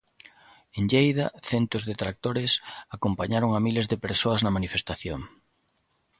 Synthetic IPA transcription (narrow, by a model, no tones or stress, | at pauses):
eŋʎejðɐθɛnt̪ʊzðet̪ɾak̚t̪oɾɪsakompaɲaɾoŋamilezðepeɾsoɐznɐmanifest̪aθjoŋ